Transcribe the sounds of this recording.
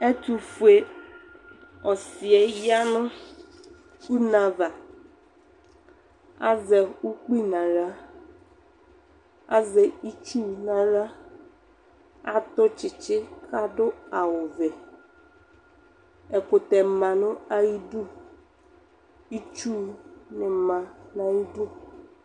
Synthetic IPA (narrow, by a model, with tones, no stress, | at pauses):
ɛ˦tu˨fu˨e˨ | ɔ˨sɪ˨ɛ˨ja˦nʊ̃˦ | u˦na˨va˨ | a˦zɛ˨u˦k͡pi˦nã˨ɾa˦ | a̰˦zɛ˨i˦t͡ʃu˦nã˨ɾa˦ | a˦t̪ʊ˦t͡ʃɪ˨t͡ʃɪ˦ka˦dʊ˦a˨wʊ˨vɛ˨ | ɛ˨kʊ˨t̪ɛ˨mã˨nʊ̃˦a˨ji˦du˦ | i˦t͡ʃu˦nɪ˨mã˨nã˨ji˦du˦